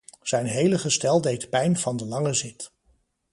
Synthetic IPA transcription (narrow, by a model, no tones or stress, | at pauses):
z̥ɛjnɦejləχəstɛlˠdejtpɛjnv̥ɑndəlɑŋəzɪt